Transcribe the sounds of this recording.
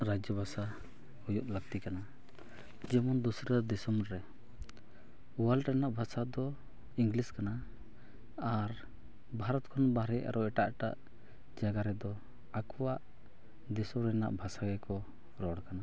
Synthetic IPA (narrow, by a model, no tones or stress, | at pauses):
ɾad͡ʒjəbʱasa | hujuʔ̪ləɡ̚t̪ikana | d͡ʒɛmɔnd̪usɾəd̪ɛsɔmɾɛ | uwalɾɛnaʔbʱasad̪ɔ | iŋɡliskana | aɾ | bʱaɾɔt̪̚kʰɔnbaɾɛʔa̰ɾɔɛʈaʔʈa̰ʔ | d͡ʒaɡaɾɛd̪ɔ | akɔwaʔ | d̪ɛsɔmɾɛna̰ʔbʱasaɡɛkɔ | ɾɔɽkana